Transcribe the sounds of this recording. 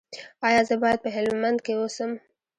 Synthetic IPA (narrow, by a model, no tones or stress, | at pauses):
ɑjɑzəbɑjad̪̚pəɦɪlmmand̪kewosəm